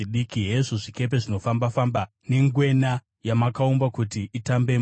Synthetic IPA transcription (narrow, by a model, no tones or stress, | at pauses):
iɗikiɦeʐoʐike̞p̬e̞ʐino̞fambafamba | ne̞ŋɡwe̞na | jamakaumbakutiʔitambe̞m